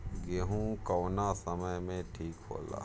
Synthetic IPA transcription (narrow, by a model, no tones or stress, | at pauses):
ɡeɦũkəːnasəməjmẽʈʰiːkɦo̰ːla̰ː